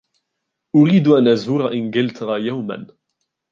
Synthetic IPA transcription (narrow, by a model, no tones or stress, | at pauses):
ʔʊɾiːd̪ʊʔanʔazuːɾaʔɪnɡɪlt̪ʰɾˤɑjawma̰n